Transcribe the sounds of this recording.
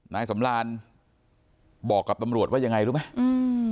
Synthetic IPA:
naː˦˧˥jsa˩˦mɾaː˧n | bɔː˨˩kːa˨˩p̚t̪a˧mɾu˨˩ət̪̚wa˥˩ja˧ŋa˧jɾu˦˥p̚ma˦˥˩jɯː˧

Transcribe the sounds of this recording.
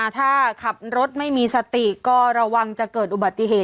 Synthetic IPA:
a˨˩t̪ʰaː˥˩kʰa˨˩p̚ɾo˦˥t̪̚ma˥˩jmiː˧sa˧t̪i˨˩kɔː˥˩ɾa˧wa˧ŋt͡ɕa˨˩kɤː˨˩t̪̚ʔu˨ba˨˩t̪ːi˨˩ɦeː˨˩

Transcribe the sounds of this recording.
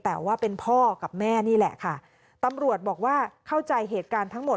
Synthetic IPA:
t̪ɛː˨˩waː˥˩pe˧npʰɔː˥˩ka˨˩p̚mɛː˥˩niː˥˩lɛ̰˨˩ʔkʰa˥˩ | t̪a˧mɾu˨˩ət̪̚bɔː˨˩k̚waː˥˩kʰa˥˩wt͡ɕa˧jɦeː˨˩t̪̚kaː˧nt̪ʰa˦˥ŋmo˨˩

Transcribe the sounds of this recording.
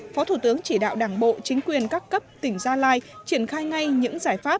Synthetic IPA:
fɔ˨˦t̪ʰu˧˩t̪ɨ˨˦əŋt͡ɕi˧˩ɗa̰ː˧˨wɗaː˧˩ŋɓo̰˧˨t͡ɕï˨˦ŋ̟kwi˨˩ənkaː˦˥kkːə˦˥p̚t̪ï˧˩ŋ̟zaː˧laː˧jt͡ɕi˧˩ənxaː˧jŋa˧jɲɨ̰˧˥ŋzaː˧˩jfaː˦˥p̚

